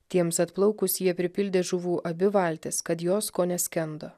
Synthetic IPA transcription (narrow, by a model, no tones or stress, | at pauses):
t̪ʲiɛmsɐt̪plˠɐʊkʊsjiɛpʲɾʲɪpʲɪlʲd̪ʲeːʒʊʋuːʔɐbʲɪʋɐˑlʲt̪ʲeskɐt̪joːskoːnʲɛsʲkʲɛnd̪o